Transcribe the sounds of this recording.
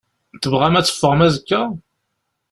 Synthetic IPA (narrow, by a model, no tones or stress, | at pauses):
θəvʁæmæt͡sːə̥fːəʁmæzəkːæ